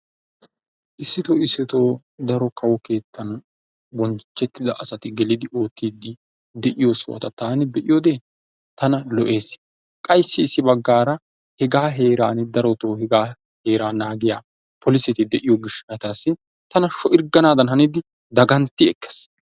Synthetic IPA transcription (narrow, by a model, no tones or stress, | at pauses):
ʔɪsːɪt̪oːɪsːɪt̪oː | d̪ɐɾɔkʰɐwɔke̞ːt̪ːɐn | bɔnt͡ʃːɛt̪ːɪd̪ɐʔɐsɐt̪ɪɡɛlɪd̪ɪʔoːt̪ːiːd̪ɪ | d̪ɛʔɪjosɔ̰wɐ̰t̪ɐt̪aːnɪbɛʔɪjoːd̪eː | t̪ɐnɐlɔʔe̞ːs | kʼɐjsːɪːsːɪbɐɡːaːɾɐ | hɛɡaːɦeːɾaːnɪd̪ɐɾɔt̪oːhɛɡaː | he̞ːɾaːnaːɡɪjaː | pʰɔlɪsɛt̪ɪd̪ɛʔɪjoɡɪʃːɐnɐt̪ɐsːɪ | t̪ɐnɐʃɔʔɪɾɡɐnaːd̪ɐnhɐnid̪ɪ | d̪ɐɡɐnt̪ːɪɛkːɛ̥s